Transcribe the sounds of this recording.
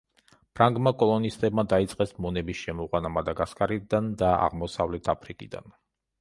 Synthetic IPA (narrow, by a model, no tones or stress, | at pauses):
pʰɾaŋɡmakʼɔlˠɔnist̪ʼɛbmad̪ait̪sʼqʼɛsmɔnɛbisʃɛmɔʁʼwanamad̪aɡaskʼaɾid̪and̪aa̰ʁmɔsavlɛt̪ʰapʰɾikʼid̪a̰n